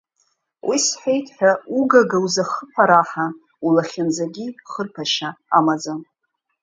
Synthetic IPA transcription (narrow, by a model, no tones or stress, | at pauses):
wʔisħejtʰʼħʷᶣauɡaɡawuzaχəpʷʰaɾaħa | ulaχʲand͡zaɡʲiχərpʰaʃaamad͡zan